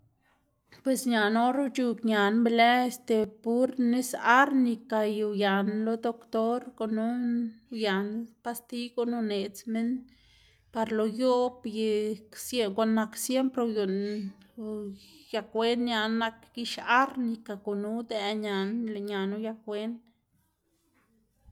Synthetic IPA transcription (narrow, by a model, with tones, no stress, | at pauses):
pwe˨sɲa˨no˦ɾu˦t͡ʃu˧kɲa˨nbe˧lɛ˦e˧st̪e˨pu˦ɾne˦sa˦ɾni˧ka˨ju˨ja˨nlo˦d̪o˦kt̪o˦ɾko˧˨nu˦ja˨npa˦st̪i˦ɡo˧no˧ne˨t͡sme˦n | pa˧ɾlo˨jo˦bje˧ksje˧ŋɡo˧˦na˧ksje˦mpɾo˧ju˨n | ja˧kwe˦nɲja˧nːa˧kɡi˧ʃa˦ɾni˧ka˨ɡu˨nu˦d̪ɛ˧˨ɲa˨nle˨ɲa˨nu˦ja˧kwe˦n